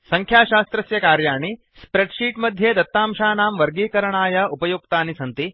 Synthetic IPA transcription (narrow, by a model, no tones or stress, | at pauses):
sɐŋkʰjaːʃaːst̪ɾɐsjɐkaːɾjaːɳi | spɾeɖʂiːʈmɐd̪ʱjeːd̪ɐt̪ːaːmʃaːnaːmʋɐɾɡiːkɐɾɐɳaːjɐʔupɐjuk̚t̪aːnisɐnt̪i